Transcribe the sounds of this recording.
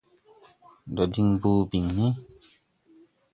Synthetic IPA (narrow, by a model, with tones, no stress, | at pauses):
dɔ˨di˧ŋbu˧˦bi˨ŋːi˦